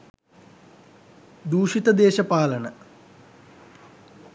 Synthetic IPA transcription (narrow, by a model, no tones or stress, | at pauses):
d̪uːʂit̪ɐd̪eːʃɐpaːlɐnɐ